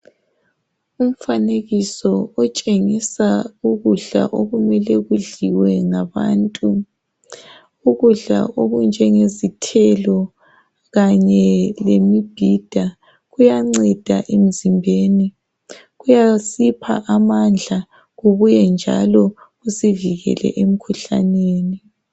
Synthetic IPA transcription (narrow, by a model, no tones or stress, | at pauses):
um̩faneɣisɔɔt͡ʃʼeŋisauɣuɮa̰ʔoɣumɛlɛɣuɮiwɛŋaβa̰ːntʼu | uɣuɮa̰ʔoɣund͡ʒʱɛŋezitʰɛlɔ | ɣaɲɛlemib̥ʱid̥ʱa | ɣujaŋ͡ǀɛd̥ʱaʔem̩zimbʱeːni | ɣujasipʰa̰ʔamand͡ɮʱa | ɣuβujɛnd͡ʒʱa̰lɔ | ɣusiviɣɛ̰lɛ̰ʔem̩kʰuɬa̰neːni